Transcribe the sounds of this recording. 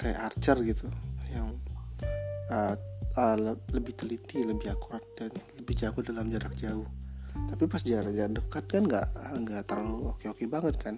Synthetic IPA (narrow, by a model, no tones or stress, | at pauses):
kaja̰ʔart͡ʃarɡit̪ujaŋ | əəələbɪht̪əlit̪iləbɪhakuɾat̪̚danləbɪhd͡ʒaɡʊdalamd͡ʒaɾak̚d͡ʒaʊht̪apipasd͡ʒaɾad͡ʒadəkat̪̚kanŋɡaʔəŋɡaʔt̪əraluokeokebaŋət̪̚kʰan